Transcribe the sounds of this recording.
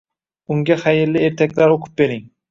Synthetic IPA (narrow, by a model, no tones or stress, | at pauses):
ʊŋɡʲaχajɪɾlɪe̞ɾt̪ʰakʲlaɾoqʰʊ̥p̚be̞ɾɪŋ